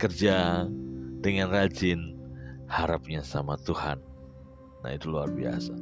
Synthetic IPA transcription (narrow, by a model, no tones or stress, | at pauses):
kərd͡ʒa | dəŋanrad͡ʒɪnhaɾap̚ɲasamat̪uha̰nː | a̰it̪uluarbia̰sa